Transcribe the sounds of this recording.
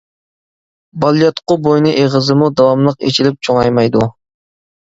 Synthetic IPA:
bɑlˠjɑt̪qʊbojnɨʔeʁɨzɨmud̪ɑwɑmlˠəqḛt͡ʃʰilɪp̚t͡ʃʰoŋɑjmɑjd̪u

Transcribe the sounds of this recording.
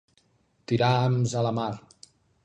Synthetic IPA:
t̪iɾaamzələma

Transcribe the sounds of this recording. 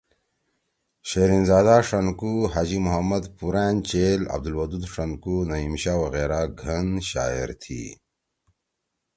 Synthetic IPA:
ɕeɾinzaːd̪aʂɐnkuɦad͡ʑimʊɦɐmːɐd̪puɾaːnt͡ɕelɐ̰b̚d̪ulwɐd̪ud̪ʂɐnkunɐimɕaːwɐɣeːɾaɡʱɐnɕa̰ːḛɾt̪ʰḭ

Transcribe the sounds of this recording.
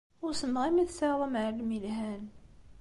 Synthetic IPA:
ʊɾsənʁimiθsaðˤəmʕəlmilɦæn

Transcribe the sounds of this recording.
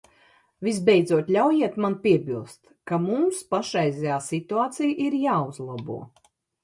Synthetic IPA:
vis̬bɛjd̪zuɔt̪ʲlʲawjiɛt̪manpʲiɛbilˠst̪ | kamumspaʃɛjzɛjaːsit̪uaːt̪sijʔiɾjaːuzlˠabṵɔ

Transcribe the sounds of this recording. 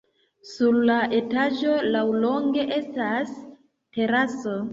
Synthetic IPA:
suɾlaʔe̞tad͡ʒo̞lawlo̞ŋɡe̞ʔe̞stas | te̞ɾaso̞

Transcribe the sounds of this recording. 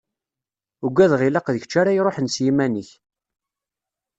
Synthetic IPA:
uɡʷːæðʁilɑqðəçt͡ʃːaɾajɾˤoħənsjimænəç

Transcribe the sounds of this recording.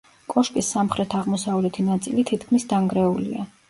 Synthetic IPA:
kʼɔʃkʼisːamχɾɛt̪ʰaʁmɔsavlɛt̪ʰinat̪sʼilit̪ʰit̪kʰmisd̪aŋɡɾɛulḭa

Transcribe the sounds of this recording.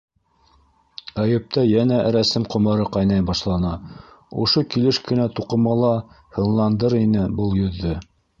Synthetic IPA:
æjɘ̆p̚t̪æjænæʔɾæsɘmqŏmɤ̆ɾɤqɑjnɑjbɑʃlˠɑnɑ | ŏʃokilɘʃkɘ̆næt̪uqɤ̆mɑlˠɑ | hɤ̆nlˠɑnd̪ɤɾinɘbɤlˠjɵ̆ðːɘ

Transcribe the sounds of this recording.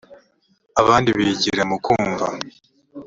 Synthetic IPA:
aβaːndiβiɟiɾamukuːɱva̰

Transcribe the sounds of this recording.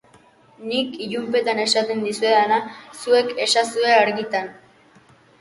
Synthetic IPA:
nikiʎumpe̞t̪ane̞sat̪e̞nd̪isue̞ðanasue̞ke̞sasue̞aɾɣit̪an

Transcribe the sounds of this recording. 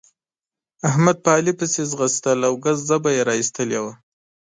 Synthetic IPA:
ahmad̪̚paːlipəsezɣəst̪əlawɡazzabajeɾɑist̪əljewa

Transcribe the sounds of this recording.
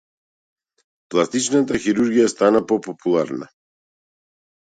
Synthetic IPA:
plˠast̪it͡ʃnat̪axiɾuɾɡijast̪anapɔpɔpʰulˠaɾna̰

